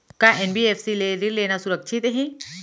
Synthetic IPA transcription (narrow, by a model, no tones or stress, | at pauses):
kaʔenbieːfʰsileɾiɾleːnasʊɾəkʃʰɪt̪ɦɛ̃ː